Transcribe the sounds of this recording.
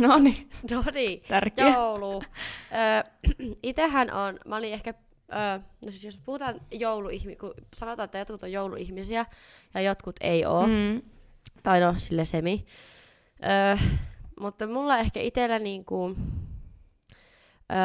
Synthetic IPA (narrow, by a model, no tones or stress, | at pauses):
noninoniːt̪ærjouluəː | it̪ehːænʔonmæolĩehkæ | əːnosisjospuhut̪ɑːnjouluihmikusɑnot̪ɑːet̪ːæjot̪̚kut̪ojjoulṵihmisiæ | jɑjot̪kut̪ḛioː | t̪ɑinosilːesemi | ʔəː | mut̪ːɑmulːɑehkæ̰ʔit̪elːæniːŋku | ʔə